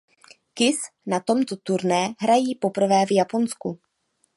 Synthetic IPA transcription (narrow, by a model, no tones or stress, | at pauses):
kɪsnat̪o̞mt̪o̞t̪uɾnɛːɦɾajiːpo̞pr̩vɛːvjapo̞nsku